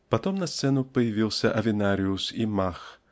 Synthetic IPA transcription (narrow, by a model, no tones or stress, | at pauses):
pat̪ɔmnɐst̪sɛnʊpɐjavʲiwsʲɐʔɐvʲinaɾʲiusimax